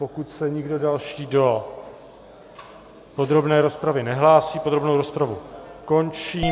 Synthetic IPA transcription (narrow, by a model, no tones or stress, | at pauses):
po̞kut̪sɛɲɪɡdo̞dalʃiːdo̞ | po̞d̪ɾo̞bnɛːɾo̞spɾavɪnɛɦlaːsiːpod̪ɾo̞bnowɾospɾavuko̞nt͡ʃiː